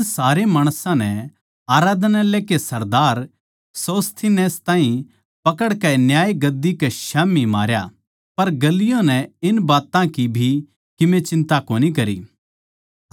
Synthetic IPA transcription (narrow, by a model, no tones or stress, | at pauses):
saːɾemaːɽ̃sãnɛ | aːɾaːd̪naleːkesɐɾd̪aːɾ | soːst̪ʰinɛːst̪ãːĩ | pɐkəɽkɛnjaːjɡɐd̪ːikɛʃaːmimaːɾja | pɐɾɡɐlɪjõnɛɪnbaːt̪ãkibʱi | kɪmẽt͡ʃɪ̃nt̪akoːnikɐɾḭː